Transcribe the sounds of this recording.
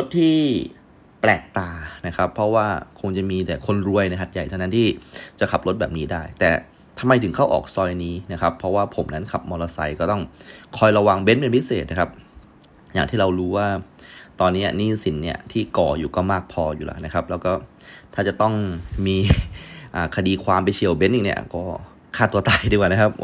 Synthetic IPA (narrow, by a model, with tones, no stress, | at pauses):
lo˦˥t̪̚ʰːiː˥˩ | plɛː˨˩k̚t̪aː˨˩na˦˥kʰa˦˥pʰːɾɔ˦˥waː˥˩kʰo˧ŋt͡ɕa˨˩miː˧t̪ɛ˨˩kʰo˧nɾu˧əjna˧jɦa˨˩t̪̚ja˨˩jt̪ʰa˥˧˩na˦˥nt̪ʰiː˥˩t͡ɕa˨˩kʰa˨˩p̚lo˦˥t̚bɛː˨p̚niː˦˥daː˥˩jt̪ɛː˨˩ | t̪ʰa˧mːa˧jt̪ʰɯ˩˦kʰa˥˩wʔɔ̰ː˨˩k̚sɔː˧jniː˦˥na˦˥kʰa˦˥pʰːɾɔ˦˥waː˥˩pʰo˩˦mna˦˥nkʰa˨˩p̚mɔː˧lɔ˧sa˧jkɔː˥˩t̪ɔ˥˩ŋkʰɔː˧jɾa˧wa˧ŋbe˦˥npe˧npʰi˦˥seː˨˩t̪̚na˦˥kʰa˦˥p̚ | jaː˨˩ŋt̪ʰiː˥˩ɾa˧wɾuː˦˥waː˥˩t̪ɔː˧nːiː˦˥ɐ˧niː˥˩si˩˦nːi˦˥˩ɐt̪ʰiː˥˩kɔː˨˩juː˨˩kɔː˥˩maː˥˩k̚pʰɔː˧juː˨˩lʔa̰˦˥na˦˥kʰa˦˥p̚lɛː˦˥wkɔː˥˩ | t̪ʰaː˥˩t͡ɕa˨˩t̪ɔ˥˩ŋmiː˧ʔaː˨˩kʰa˧diː˧kʰwaː˧mp̬jt͡ɕʰi˨˩əwbe˦˥nʔi˨˩nḭ˦˥ɐkɔː˥˩ | kʰaː˥˩t̪u˧t̪aː˧jdi˧˩kwaː˨˩na˦˥kʰa˦˥p̚